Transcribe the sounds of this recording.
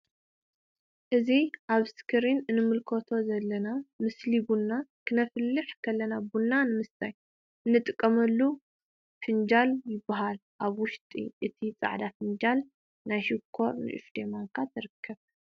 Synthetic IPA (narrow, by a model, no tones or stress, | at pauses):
ʔɨziʔaβskʰɨɾinɨnːɨmɨlkʰot̪ʰo̞zɐlːɐnamɨslibunːakʰɨnɐfɨlːɨħkʰɐlːɐnabunːanɨmɨstaj | ɨnːɨt̪ʼɨkʼːɐmɐlːu | fɨnd͡ʒaljɪbːaɦal | ʔaβwʊʃt̪ʼḭʔɨt̪ʰit͡sʼa̰ʕd̪afɨnd͡ʒal | najʃɪkʰːo̞ɾnɨ̰ʔɨ̰fd̪emaŋkʰat̪ʰɨɾɨkʰːɐβ